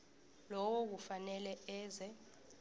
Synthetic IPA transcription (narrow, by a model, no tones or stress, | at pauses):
lɔwok̬ufanɛlɛɛːzɛ